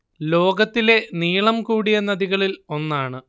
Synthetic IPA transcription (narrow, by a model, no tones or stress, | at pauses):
lo̞ːɡɐt̪ːile̞niːɭɐmkuːɽijenːɐðiɣɐɭilo̞nːaːɳɨ